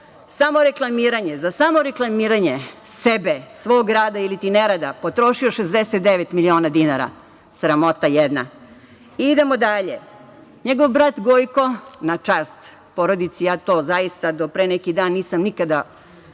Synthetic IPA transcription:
samo̞ɾe̞klˠamiːɾaɲezasamoɾeklˠamiːɾaɲesebesʋoːɡɾaːd̪ailit̪ineɾad̪apot̪ɾo̞ʃioʃezd̪eset̪d̪eʋet̪milio̞ːnad̪inaɾa̰ | sɾamo̞t̪ajed̪na̰ | iid̪e̞mod̪aʎḛ | ɲeɡoʋbɾat̪ɡojko̞nat͡ʃaːst̪ | po̞ɾod̪it̪sijaːt̪o̞ːzajist̪ad̪o̞pɾenekid̪aːnːiːsamnikad̪a

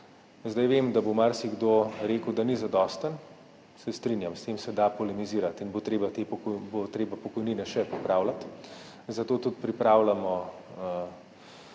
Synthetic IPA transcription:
zd̪ajʋeːmd̪abomaɾsiɡd̪oːɾeːkəwd̪anizad̪ɔːst̪ən | sɛst̪ɾinjamst̪eːmsɛd̪apɔlɛmiziːɾat̪inbot̪ɾeːbat̪ebot̪ɾeːbapɔkɔjniːnɛʃɛpipɾaːwlat̪ | zat̪oːt̪ut̪pɾipɾaːwlamɔ | ə

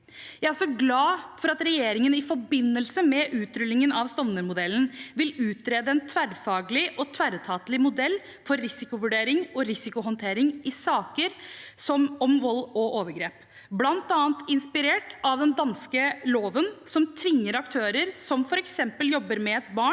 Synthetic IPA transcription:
jæɪæʂɔɡlɑːfɔɾɑt̪ɾɛjeːɾɪŋənɪfɔbɪnːəlsəmɛʔʉːt̪ɾʏlːɪŋənɑʋst̪ɔʋnəɾmʊd̪ɛlən̩ʋɪlʉːt̪ɾeːd̪əɛnt̪ʰʋæɾfɑːɡəlɪʔɔt̪ʰʋæɾət̪ʰɑːt̪lɪmʊd̪ɛlː | fɔɾːɪsɪkʊʋʉɖeːɾɪŋɔɾɪsɪkʊɦɔnt̪ʰeːɾɪŋɪsɑːkəɾsɔmɔmʋɔlːɔʔoːʋəɾɡɾeːp | blɑnt̪ɑːənt̪ɪnspɪɾeːʈʔɑʋd̪ɛnd̪ɑnskəloːʋənsɔmt̪ʰʋɪŋːəɾɑkt̪ʰøːɾəɾsɔmfɔɾɛksɛmpəljɔbːəɾmɛɛt̪̚bɑːɳ

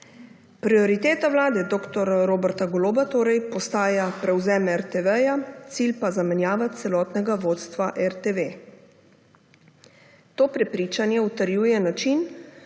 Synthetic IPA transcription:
pɾiɔɾit̪eːt̪awlaːd̪ɛd̪oːkt̪ɔɾɾoːbɛɾt̪aɡɔloːbat̪oːɾɛjpɔst̪aːjapɾɛwzɛːmɛɛɾt̪eʋɛjat̪siːlpazamɛnjaːʋat̪sɛlɔːt̪nɛɡaʋoːt̪st̪ʋaʔɛɾt̪eʋe | t̪oːpɾɛpɾiːt͡ʃanjɛut̪əɾjuːjɛnat͡ʃin

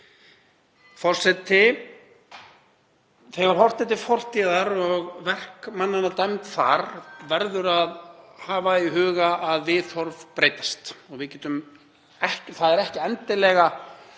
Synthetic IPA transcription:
fɔr̥sɛt̪ːɪ | θɛɣaɾ̥hɔr̥t̪ɛt̪̬ɪfɔr̥t̪iðaɾɔɣvɛr̥kmanːanat̪ajmt̪θa̰ɾvɛɾðʏɾaðhaːvaiɦʏːɣaaðvɪθɔɾvpɾeːjt̪ḁst̪ɔɣvɪðcɛːt̪ʏm | ɛhcθaðɛɾɛhcɪɛnt̪ɪlɛːɣa

